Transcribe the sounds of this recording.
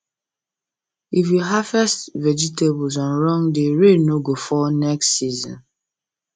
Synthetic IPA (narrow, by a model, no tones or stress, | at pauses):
if̬jiɦafɛstvɛd͡ʒitebɔzãnɹɔ̃ŋdeɹenoɡofɔnɛkstsizɔ̰̃n